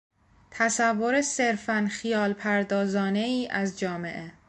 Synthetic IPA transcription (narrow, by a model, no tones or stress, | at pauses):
t̪ʰæsævːo̞ɾese̞ɾfænxijɒːlpʰæɾd̪ɒːzɒːne̞iːʔæzd͡ʒɒːme̞̰ʔe̞